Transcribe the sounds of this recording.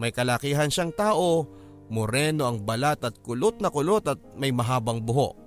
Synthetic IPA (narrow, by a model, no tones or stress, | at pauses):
mɐjkɐlɐkiːɦɐnʃaŋt̪aːʔo̞ | mʊɾɛːno̞ʔɐŋbɐlat̪ɐt̪̚kʊlot̪̚nɐkʊlot̪ɐt̪̚mɐjmɐɦaːbɐŋbʊɦo̰ʔ